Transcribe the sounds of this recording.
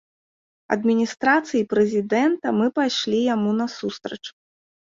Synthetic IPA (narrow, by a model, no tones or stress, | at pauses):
ɐ̰d̪mʲinʲist̪ɾat̪sɨjipɾɨzʲid̪ɛnt̪ɐmɨpajʂlʲijamunɐsust̪ɾɐt͡ʂ